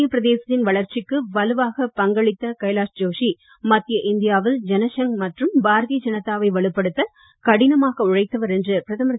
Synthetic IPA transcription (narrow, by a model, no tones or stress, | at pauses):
jɐpːɪɾɐðeːsɐt̪ːɪnʋɐɭɐɾt͡ʃɪkːɯʋɐlɯʋaːɣɐpɐŋɡɐɭɪt̪ːɐkɐɪlaːʂd͡ʒoːʂi | mɐt̪ːɪjɐʔɪnd̪ɪjaːʋɪld͡ʒɛnɐʂɐŋmɐʈrɯmbaːɾðid͡ʒɐnɐt̪ːaːʋɐɪʋɐɭɯpːɐɽɯt̪ːɐ | kɐɽɪnɐmaːɣɐʊɻɐɪt̪ːɐʋɐɾɛndrɯpɪɾɐðɐmɾɐ